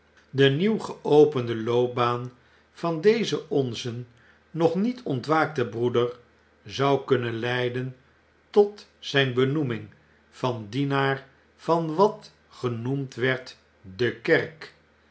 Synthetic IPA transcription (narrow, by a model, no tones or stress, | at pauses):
dəniwχəowpəndəlowp̚baːn | v̥ɑndejzəʔɔnzənː | ɔχnitʰɔntʋaːk̚təbrudər | zɑwkɵnənlɛjdən | tɔtzɛjnbənumɪŋ | v̥ɑndinaːɹ | v̥ɑnʋɑt | χənumtʋɛɹt | dəkɛrk